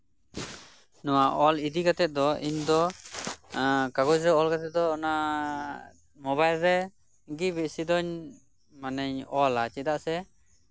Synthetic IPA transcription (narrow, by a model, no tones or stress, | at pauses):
nɔwaʔɔlid̪iɡat̪ɛt̪̚d̪ɔiɲd̪ɔ | kaɡɔd͡ʒɾɛɔlɡat̪ɛt̪̚d̪ɔːna | mɔbajlɾɛ | ɡibiʔsid̪ɔɲ | manəɲɔlat͡ʃɛd̪aʔsɛ